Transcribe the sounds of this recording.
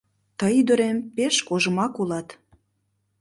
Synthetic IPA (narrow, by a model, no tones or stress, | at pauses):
t̪əjd̪ə̆ɾempeʃkoʒə̆mɑkulɑt̪